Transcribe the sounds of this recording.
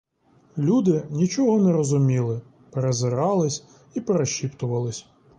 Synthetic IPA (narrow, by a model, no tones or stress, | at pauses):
lʲud̪ɪnʲit͡ʃɔɦɔnɛɾɔzʊmʲilˠɪ | peɾezɪɾɑlˠɪsʲ | ipeɾeʃʲipt̪ʊʋɐlˠɪsʲ